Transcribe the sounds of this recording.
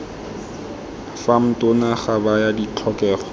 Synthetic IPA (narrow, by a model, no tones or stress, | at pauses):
fam̩tʼʊnaχabajadit͡ɬʰɔkʼɛːrɔ